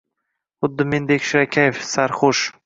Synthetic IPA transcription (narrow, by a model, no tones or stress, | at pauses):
χʊd̪ːɪmend̪ekʲʃɪɾakʲʰajefsaɾχʊʃ